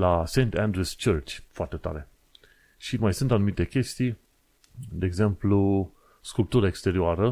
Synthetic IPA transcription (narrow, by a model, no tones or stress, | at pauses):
lase̞jnt̪and̪ɾust͡ʃərt͡ʃʲfoart̪e̞t̪a̰ɾe̞ | ʃimajsɨnt̪anumit̪e̞kʲe̞st̪ij | d̪e̞ːɡze̞mplu | skulp̚t̪uɾəaekst̪e̞ɾioaɾə